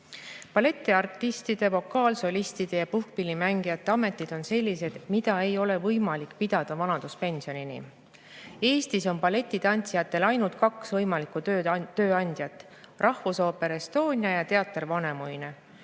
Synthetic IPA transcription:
pɑle̞t̪ːˑiɑrt̪ːˑist̪id̪̥e̞vo̞kːˑɑːlso̞lʲist̪id̪̥e̞jɑpuhk̚pilʲimæŋɡ̥ijɑt̪ːˑe̞ɑme̞t̪ːˑid̪̥o̞nse̞lʲːise̞d̪̥mid̪ɑe̞jo̞le̞vɤjmɑlikːˑpid̪̥ɑd̪̥ɑvɑnɑd̪̥uspe̞nʲsio̞ninḭ | e̞ːst̪iso̞npɑle̞t̪ːˑit̪ɑnʲt̪sijɑt̪ːˑe̞lɑjnult̪̚kɑksvɤjmɑlikuøːɑnʲd̪̥jɑt̪ːˑ | rʔɑhvuso̞ːpe̞ɾest̪o̞ːnʲjɑjɑt̪e̞ɑt̪ːˑrvɑne̞mujne

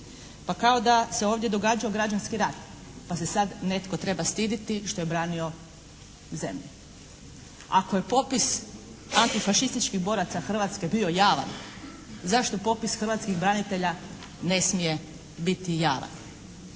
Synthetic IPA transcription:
pakao̞d̪ase̞oːʋd̪je̞d̪o̞ɡaːd͡ʒaoɡɾad͡ʒanskiɾat̪ | pase̞sad̪ne̞t̪ko̞t̪ɾe̞bast̪iːd̪it̪iʃt̪o̞je̞bɾaːnio̞ | ze̞̰mʎu | a̰koje̞po̞pis | ant̪ifaʃist̪it͡ʃkiɣbo̞ːɾat̪saxr̩ʋat̪ske̞bio̞jaːʋa̰n | zaʃt̪o̞po̞pisxr̩ʋat̪skiɣbɾanit̪e̞ʎa | ne̞smije̞ | bit̪ijaːʋa̰n

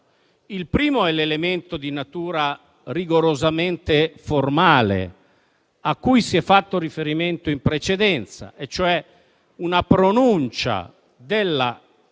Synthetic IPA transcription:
ilpɾiːmoɛlelement̪od̪inat̪uːɾa | riɡoɾozament̪eformaːlḛ | akːujsiɛfːat̪ːoɾifeɾiment̪oimpɾet͡ʃed̪ɛnt̪sa̰ʔet͡ʃːoɛ | unapɾonunt͡ʃa̰ | d̪elːa

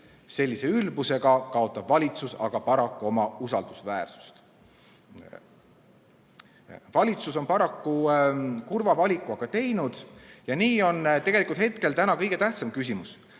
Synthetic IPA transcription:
se̞lʲːise̞ylbuse̞ɡ̥ɑkɑo̞t̪ːˑɑb̥vɑlʲit̪susɑ̰ɡ̥ɑpɑɾɑkːuo̞mɑusɑld̪̥usvæ̰ːrsu̥st̪ | vɑlʲit̪suso̞npɑɾɑkːukurvɑvɑlʲikːˑuɑɡ̥ɑt̪e̞jnud̪̥jɑniːo̞nt̪e̞ɡ̥e̞likult̪het̪ke̞lt̪ænɑkɤjɡ̥e̞t̪æht̪sɑmkys̬ʲimus

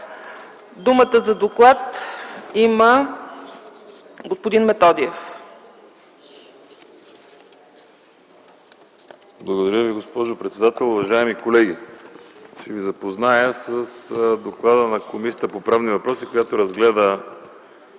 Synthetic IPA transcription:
d̪umət̪əzɐd̪oklˠat̪imə | ɡospod̪inmɛt̪ɔd̪iɛf | blˠɐɡod̪ɐɾʲəviɡospɔʒopɾɛt̪sɛd̪at̪ɛlˠʊvɐʒaɛmikolɛɡi | ʃt͡ʃɛvizɐpoznajəsəsd̪oklˠad̪ənɐkomisʲjət̪əpopɾavnivɐpɾɔsikojat̪oɾɐzɡlɛd̪ə

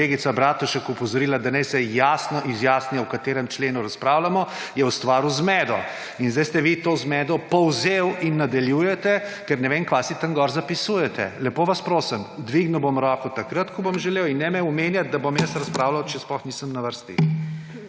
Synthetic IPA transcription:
eɡit̪sabɾaːt̪uʃɛkupɔzɔɾilad̪anɛjsɛjaːsnɔʔizjaːsniawkat̪eːɾɛmt͡ʃleːnuɾaspɾaːwlamɔ | jɛwst̪ʋaːɾuzmɛːd̪ɔ̰ | inzd̪ajst̪ɛʋit̪oːzmɛd̪ɔpɔwzewinːad̪aljuːjɛt̪ɛkɛɾnɛʋenkʋasit̪əŋɡɔɾzapisuːjɛt̪ɛ̰lɛpoːʋaspɾoːsəmd̪ʋiɡnuwbomɾɔːkɔt̪akɾət̪kɔbomʒɛleːwinːɛmɛumenjat̪̚d̪abomjɛsɾɐspɾaːwlawt͡ʃɛsplɔxniːsəmnaʋəɾst̪ḭ

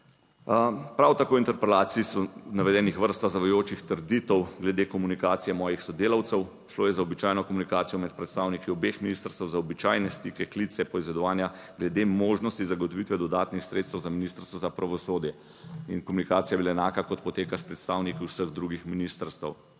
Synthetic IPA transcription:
pɾawt̪akoːint̪ɛɾpɛlaːt̪siːsɔnaʋɛd̪ɛːnixʋəɾst̪azaʋɔjoːt͡ʃixt̪əɾd̪it̪ɔwɡlɛd̪ekɔmunikaːt̪sijɛmɔːjixsɔd̪eːlɐwt̪sɛw | ʃloːjɛzaɔbit͡ʃaːjnɔkɔmunikaːt̪sijɔmɛt̪̚pɾɛt̪st̪aːwnikiɔbexminiːst̪əɾst̪əwzaɔbit͡ʃaːjnɛst̪ikɛklit̪sɛpɔizʋɛd̪ɔʋaːnja | ɡlɛd̪emoːʒnɔst̪izaɡɔt̪ɔʋit̪ʋɛd̪ɔd̪aːt̪nixsɾet̪st̪wzaminist̪əɾst̪ʋɔzapɾaʋɔsoːd̪jɛ | inkɔmunikaːt̪sijabilaɛnaːkakɔt̪pɔt̪eːkaspɾɛt̪st̪aːwnikiwsəɣd̪ɾuɡixminist̪əɾst̪ə̰w

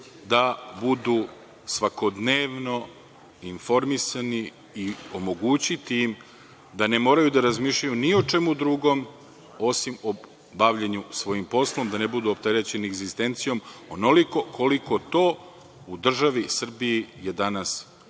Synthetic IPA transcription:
d̪abud̪u | sʋako̞d̪neːʋno̞ | info̞ɾmisaniː | o̞mo̞ɡut͡ɕit̪im | d̪ane̞mo̞ːɾajud̪aɾazmiːʃʎajuniot͡ʃe̞mud̪ɾuɡo̞m | o̞simo | baʋʎeɲusʋo̞jimpo̞slˠo̞md̪anebud̪uop̚t̪e̞ɾe̞t͡ɕe̞nieɡzist̪e̞nt̪sijo̞monoliko̞kʰoliko̞t̪o̞ː | ud̪r̩ʒaʋisr̩biijed̪anas

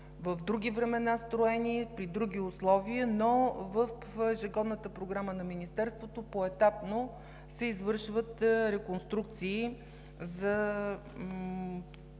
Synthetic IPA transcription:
vəvd̪ɾuɡ̟ʲivɾɛmɛnast̪ɾoɛnipɾid̪ɾuɡʲiʊslˠɔviənovəf | ɛʒɪɡɔd̪nət̪əpɾoɡɾamənɐminist̪ɛɾst̪vot̪opoɛt̪apno | sɛizvɤɾʃvət̪ɾɛkonst̪ɾuk̚t̪siː | zɐ

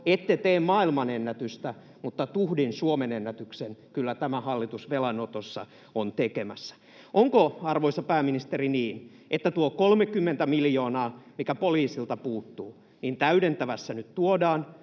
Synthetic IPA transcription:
et̪ːet̪eːmmɑːilmɑnenːæt̪yst̪æ | mut̪ːɑt̪uhdinsuomenenːæt̪yksenkylːæt̪æmæhɑlːit̪usʋelɑnot̪osːɑ̰ | ont̪ekemæsːæ̥ | ʔoŋkoɑrʋoisɑpæːminist̪eriniːn | ʔet̪ːæt̪uokolmekːymːent̪æmiljoːnɑːmikæpoliːsilt̪ɑpuːt̪ːuː | niːnt̪æydent̪æʋæsːænyt̪t̪uodɑːn

